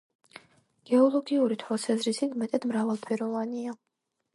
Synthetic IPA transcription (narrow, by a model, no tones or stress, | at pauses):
ɡ̥ɛɔlˠɔɡiuɾit̪ʰwasazɾisit̪ʰmɛt̪ʼɛd̪̥mɾavalˠt̪ʰɛɾɔvania